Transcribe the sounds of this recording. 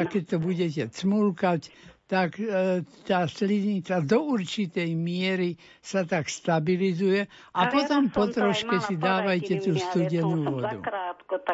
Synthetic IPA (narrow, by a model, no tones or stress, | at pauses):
kɛc̚ʲt̪ɔbuɟɛcɛt͡smulkact̪akt̪aːslizɲit͡sad̪ɔuɾt͡ʃit̪ɛjmɪɛɾi | sat̪akst̪abilizujɛ | apɔt̪ɔmpɔt̪ɾɔʃkɛsid̪aːʋajcɛt̪uːst̪uɟɛnuːʋɔd̪ṵ